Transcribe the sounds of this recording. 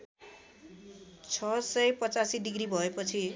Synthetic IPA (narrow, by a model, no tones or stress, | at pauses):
t͡sʰʌsʌjpʌt͡sasiɖiɡribʱʌepʌt͡sʰi